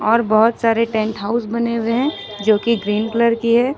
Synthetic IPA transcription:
ɔːɾbɔɦʊt̪saːɾeʈɛ̃ːɳʈɦaːʊsbɐneweɦɛ̃ | d͡ʒoːkiɡɾiːnkləɾkiɦɛː

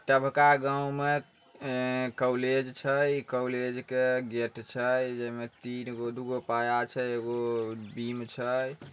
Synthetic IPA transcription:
t̪əbʱkaɡãw̃me | kəwled͡ʒt͡ʃʰəjkəwled͡ʒkeɡeʈt͡ʃʰəjd͡ʒəimet̪inɡod̪uɡopajat͡ʃʰəeɡobimt͡ʃʰəj

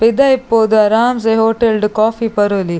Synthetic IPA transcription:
pɪd̪ɐipːoːd̪ɐɾaːmseɦoːʈelɖkɔːfipɐɾoːli

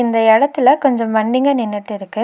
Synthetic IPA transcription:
ɪnd̪ɐɛɽɐt̪ːɪlɐkɔɲd͡ʒɔ̃mɐɳːɪŋɡɐnɪnːɪʈːɪɾɯkːɯ

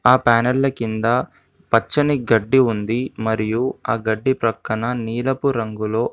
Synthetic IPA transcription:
aːpaːnɐlːɐkind̪ɐ | pɐt͡ʃːɐniɡɐɖːiund̪imɐɾijuaːɡɐɖːipɾɐkːɐnɐniːlɐpuɾɐŋɡulo̞ː

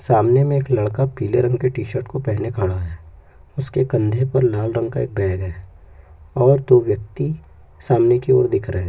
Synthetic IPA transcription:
saːmnemẽeːklɐɽkapiːleɾɐ̃ŋɡkeʈiːʃəɾʈkopɛɦnekʰaːɽ̃aɦɛː | ʊskekɐ̃nd̪ʱepɐɾlaːlɾɐ̃ŋɡ̚kaḛːk̚bɛːɡɦɛː | ɔːɾd̪oːʋjək̚t̪i | saːmnekio̰ːɾd̪ɪkʰɾəɦɛ̃ː

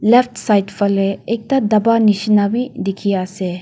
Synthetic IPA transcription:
leptsajtpʰɐleːk̚tad̪ɐbanisinabid̪ekʰijaːse

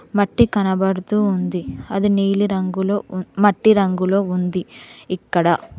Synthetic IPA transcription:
mɐʈːikɐnɐbɐɽut̪uːund̪iɐd̪iniːliɾɐŋɡuloːmɐʈːiɾɐŋɡulo̞ːund̪iikːɐɽɐ

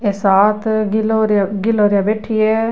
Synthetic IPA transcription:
eːsaːt̪ʰɡɪloːɾaɡɪloːɾjabeːʈʰieː

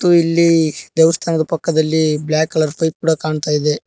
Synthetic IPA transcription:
t̪ːuilːid̪ɛʋɐst̪ʰaːnɐd̪ɐpɐkːɐd̪ɐlːiblaːkɐɭɐɾpʰɐjp̚kuːɽɐkaːɳt̪aːjid̪e

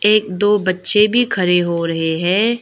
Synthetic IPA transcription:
eːk̚d̪oːbɐtːʃebʱikʰɐɾeɦoɾɐɦeɦɛ̃ː

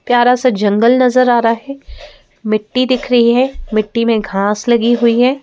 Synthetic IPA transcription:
pjaːɾasad͡ʒɐ̃ŋɡəlnɐzəɾaːɾaɦɛː | mɪʈːid̪ɪkʰɾɐɦiɦɛːmɪʈːimẽɡʱaːslɐɡiɦʊiɦɛː

